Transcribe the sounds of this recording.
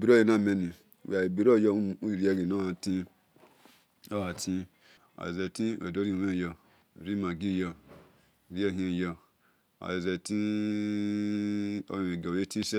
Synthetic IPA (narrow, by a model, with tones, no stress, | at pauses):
bi˨ɾo˦je˦˨na˦˨me˨ni˨ | w̰a˨i˨bi˨ɾo˦˨jo˦˨u˦˨ɾi˦e˦ɡi˨no˦a˨tĩ˦ | o˦ha˨tʰĩ˦ | a̰˨e˨ze˨tĩ˦˨ḛ˨do˦ɾi˦˨˦e˦˨jo˧˨ | ɾi˦ma˨ɡi˦˨jo˦˨ | ɾi˦e˦˨ɦi˦˨jo˨ | a̰˨je˨ze˨ti˦ | o̰˦˨e˨ɡo˨e˦ti˦se˦